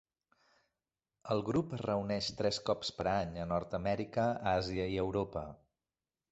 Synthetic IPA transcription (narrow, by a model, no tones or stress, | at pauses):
əlˠɣɾupərəunɛʃt̪ɾɛskɔpspəɾaɲənɔɾt̪əmɛɾikəaziəiəwɾopə